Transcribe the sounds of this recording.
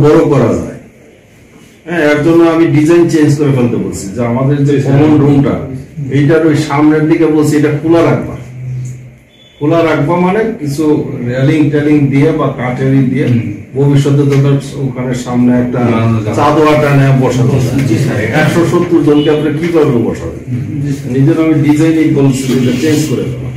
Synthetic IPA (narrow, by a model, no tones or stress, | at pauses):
bɔɾokɔɾad͡ʑa̰e | ɦɛ̃ɛk̚d͡ʑonːoamiɖid͡ʑajnt͡ɕend͡ʑkoɾefelt̪epoɾt͡ɕʰid͡ʑeamad̪eɾd͡ʑekɔmonɖɾuŋʈa̰ejʈ̬aɾojʃamneɾd̪ʱikebolt͡ɕʰiejʈakʰulaɾak̚ʰba̰ | kʰulaɾakʰbamanekit͡ɕʰuɾeliŋʈeliŋd̪iebakaʈeliŋd̪iebʱobiʃːɔt̪̬ed͡ʑɔt̪̬a | okʰaneɾʃamneɛk̚ʈat͡ɕad̪oaʈanɛabɔʃad̪o̰t͡ɕʰiɛkʃoʃot̪ːuɾd͡ʑonkeapɾekikɔɾbebɔʃad̪ḭ | nid͡ʑenoamiɖid͡ʑajnibolt͡ɕʰid͡ʑetat͡ɕenskoɾed̪ɛ̰bo̰